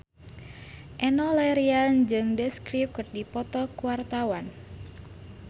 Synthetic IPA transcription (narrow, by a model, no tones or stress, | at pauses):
ʔɛnɔlɛɾiand͡ʒɨŋdəskɾip̚kərdipɔt̪ɔkuwart̪awan